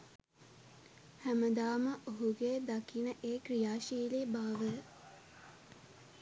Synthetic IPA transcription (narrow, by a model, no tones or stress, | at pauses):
hæməd̪aːməʔoɦuɡed̪akinəʔeːkrijaːʃiːlibaːʋə